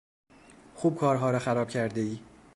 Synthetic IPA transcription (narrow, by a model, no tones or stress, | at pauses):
xuːb̚kʰɒːɾɦɒːɾɒxæɾɒːb̥cʰæɾd̪eiː